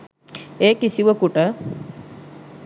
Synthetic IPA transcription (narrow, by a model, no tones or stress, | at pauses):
eːkisiʋəkuʈə